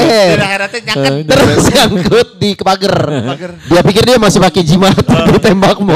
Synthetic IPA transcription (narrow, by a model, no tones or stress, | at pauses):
ɛ | t̪əɾʊsaŋkʊt̪̚dikəpaɡərbiapikɪrdiamasɪhpaked͡ʒimat̪dit̪ɛmbak̚mɔ